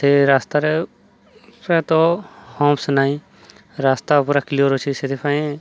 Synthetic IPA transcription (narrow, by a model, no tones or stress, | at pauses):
seɾaːst̪aɾɛ | pɾɛt̪ɔhɔːmsnaĩ | ɾaːst̪apuɾaklioɾot͡ʃʰised̪ipʰaẽ